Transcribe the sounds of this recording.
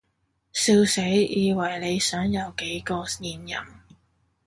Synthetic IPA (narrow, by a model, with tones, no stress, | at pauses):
siː˧wse˨˥jiː˨˧wɐ˨˩jle˨˧jsœː˨˥ŋjɐ˨˧wke˨˥jkɔː˧jiː˨˩njɐ̰˨˩m